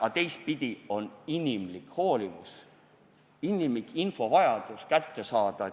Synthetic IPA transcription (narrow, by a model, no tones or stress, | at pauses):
ɑt̪e̞jst̪̚pid̪̥ʲio̞ninʲimlikho̞ːlimus | inʲimlikinfo̞vɑjɑd̪̥uskæt̪ːe̞sɑːd̪̥ɑ